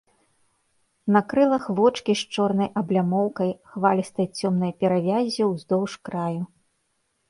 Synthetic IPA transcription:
nɐkɾɨlˠɐxvɔt͡ʂkʲiʂt͡ʂɔrnɐjʔɐblʲamɔwkɐjxvalʲist̪ɐjt͡sʲɔmnɐjpʲɛɾavʲazʲiwzd̪ɔwʂkɾaju

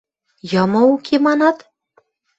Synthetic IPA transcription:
jɤmɤ̆ukʰemɑnɑt̪

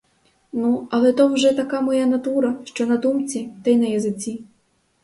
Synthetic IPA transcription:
nuɐlˠɛt̪ɔwʒɛt̪ɐkamɔjanɐt̪uɾɐʃt͡ʃɔnɐd̪umt͡sʲit̪ɐjnɐjɐzɪt͡sʲi

